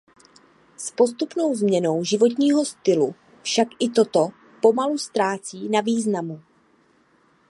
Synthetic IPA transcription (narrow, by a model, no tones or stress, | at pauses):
spo̞st̪upno̞wzmɲɛno̞wʒɪvo̞t̪̬ɲiːɦo̞st̪ɪlu | fʃakʔɪt̪o̞t̪o̞ | po̞malust̪ɾaːt͡siːnaviːznamu